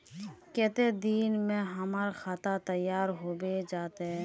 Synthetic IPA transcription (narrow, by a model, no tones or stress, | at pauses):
kɛːt̪ed̪iːnmẽɦəmaːɾxaːt̪at̪əjːaːɾɦoːbed͡ʒaːt̪eɦɛ̃